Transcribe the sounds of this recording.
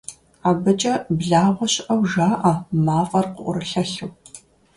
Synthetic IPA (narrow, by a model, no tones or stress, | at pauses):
aːbɐt͡ʃʼɐbɮaːʁʷɔɕɪʔɐwʒaːʔɐmaːfʼɐrqʊʔʷʊɾɨɬɐɬɨw